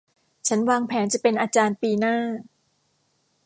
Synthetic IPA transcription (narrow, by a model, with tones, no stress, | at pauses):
t͡ɕʰa˦˥nwaː˧ŋpʰɛː˩˦nt͡ɕa˨˩pe˧nʔaː˧t͡ɕaː˧npiː˧naː˥˩